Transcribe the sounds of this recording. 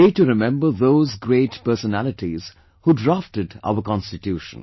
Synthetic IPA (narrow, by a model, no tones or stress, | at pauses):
eʈuɾɪmɛ̃mbəðoːzɡɾeːʈpɜsənælɪʈiz̥ | huːɖɾafʈədʔa̰ʊəkɑ̃nstɪtjuːʃə̰̃n